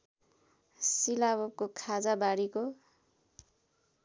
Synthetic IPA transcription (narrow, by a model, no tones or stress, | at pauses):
silaβʌp̚kokʰad͡zabaɽiko